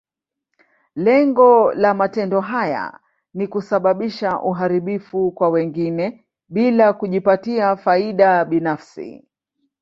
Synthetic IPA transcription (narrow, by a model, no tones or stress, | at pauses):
lɛŋɡɔlamatɛndɔɦaja̰ | nikusaɓaɓiʃaʔuɦaɾiɓifukwawɛŋɡinɛ | ɓilakuʄipatiafaiɗaɓinafsḭ